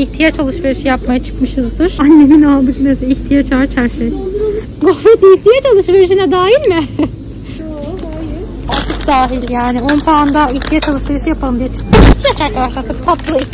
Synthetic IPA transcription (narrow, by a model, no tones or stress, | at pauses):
içt̪ʰijat͡ʃʰːalˠɯʃveɾiʃijapmajat͡ʃʰɯ̥kmɯʃɯzd̪ɯɾ̥anːe̞minalˠd̪ɯknesɛiçt̪ʰijat͡ʃat͡ʃʰaɾʃej | ɡofɾet̪içt̪ʰijat͡ʃːalˠɯʃβeɾiʃ̬inɛd̪aːjilʲmɪ | o | at͡ʃʰɯk̚d̪aːɦilʲjaːnɪonpand̪aiçt̪ʰijat͡ʃːalˠɯʃveɾiʃɯjapʰalˠɯmd̪ijet͡ʃ̪ʰɯ̥k̪iiçt̪ʰijat͡ʃaɾkʰad̪aʃlˠaɾt̪ʰabipʰat̪llˠai